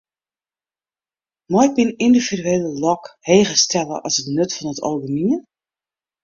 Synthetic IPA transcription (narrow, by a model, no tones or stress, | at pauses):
mɔjbinindividyeːləlɔkheːɣəstʰɛləʔɔsətnøtfɔnətʰo̰lbəniən